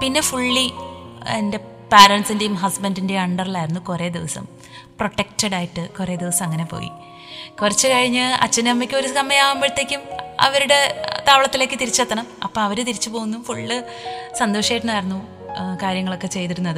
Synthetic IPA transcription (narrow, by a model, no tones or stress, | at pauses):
pinːe̞fuɭːi | ende̞ | paːɾɐɳʈsindejumɦɐsbɐndinde̞ɐɳɖɐrilaːjiɾunːukure̞ːd̪iʋɐsɐ̰m | pro̞ʈːektɐɽaːjiʈːɨkure̞ːd̪iʋɐsɐmɐŋːɐne̞po̰ːjḭ | kurɐt͡ɕːɨkɐɻiɲːɨɐ̰t͡ɕːɐnɐmːɐkʲːɨo̞ɾukɐmːɐjaːʋɐmbeɻt̪ːekʲːumɐ̰ʋɐɾuɽe̞t̪aːʋɐɭɐt̪ːile̞ːkːɨt̪iɾit͡ɕːɐt̪ːɐɳɐmɐpːoɐʋɐɾɨt̪iɾit͡ɕːupo̞ːɣunːumfuɭːɨ | sɐnd̪oːʂɐjʈːunːaːjiɾunːu | kaːɾjɐŋːɐɭo̞kːe̞t͡ɕe̞jt̪iɾunːɐðɨ